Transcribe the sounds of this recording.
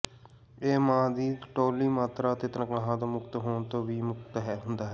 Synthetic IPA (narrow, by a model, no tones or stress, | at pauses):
eːmãːd̪iːʈoːliːmaːt̪ɾaːt̪eːt̪ənkaːɦãːt̪oːmʊkt̪ɦoːɳt̪õːʋiːmʊkt̪ɦɛːɦʊnd̪aːɦɛː